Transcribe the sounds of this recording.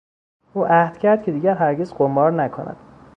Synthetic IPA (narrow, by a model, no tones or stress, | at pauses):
uːʔæhd̪̥cʰæɾd̪̥̚cʰe̞d̪iːɟæɾɦæɾɟezɢombɒːɾnækʰonæ̰d̪̥